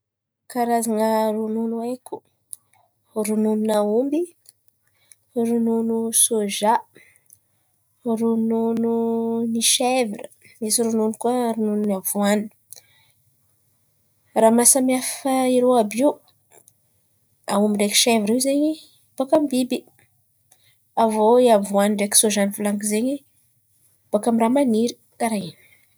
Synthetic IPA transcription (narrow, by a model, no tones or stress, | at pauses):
kaɾazaŋərununuekʲu̥ | runununaumbi | rununusoʒa | runununiʃevirə | misiɾununkuəɾunununavuani̥ | ramasəmiafəiɾewabiw | aumireki̥ʃevɾiwzeɲi | b̥akamibibi | avoiavuaniɳɖ͡ʐeki̥soʒaniflaŋkizeɲi | b̥akamiramaniɾi̥ | kaɾaini̥